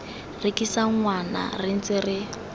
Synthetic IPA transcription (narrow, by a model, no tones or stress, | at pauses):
rɪkisaŋ̩ŋwana̰rɪn̩t͡sɪrɪ